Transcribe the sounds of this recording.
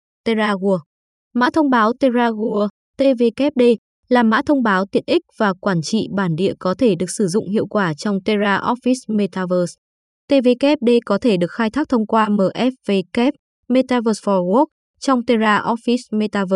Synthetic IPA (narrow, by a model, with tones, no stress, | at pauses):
t̪e˧zaː˧ɣu˧ə | ma̰ː˧˥t̪ʰə˧wŋ͡mɓaː˨˦wt̪e˧zaː˧ɣu˧ə | t̪e˧ve˧kɛ˦˥p̚ɗe˧ | laː˨˩ma̰ː˧˥t̪ʰə˧wŋ͡mɓaː˨˦wt̪i˨˩˨ənʔi˦˥k̚v̥aː˨˩kwaː˧˩nt͡ɕḭ˧˨ɓaː˧˩nɗḭ˧˨əkɔ˨˦t̪ʰe˧˩ɗɨ˨˩ək̚sɨ˧˩zʊ̰˧˨ŋ͡mhḭ˧˨əwkwaː˧˩t͡ɕɔ˧wŋ͡mt̪e˧zaː˧ʔɔ˦˥fi˦˥sme˧t̪aː˧vəː˧˩s | t̪e˧ve˧kɛ˦˥p̚ɗe˧kɔ˨˦t̪ʰe˧˩ɗɨ˨˩ək̚xaː˧jt̪ʰaː˦˥k̚t̪ʰə˧wŋ͡mkwaː˧məː˨˩ʔɛ˦˥p̚ve˧kɛ˦˥p̚ | me˧t̪aː˧vəː˧˩sfɔ˧ɣɔ˦˥k̚ | t͡ɕɔ˧wŋ͡mt̪e˧zaː˧ʔɔ˦˥fi˦˥sme˧t̪aː˧və˧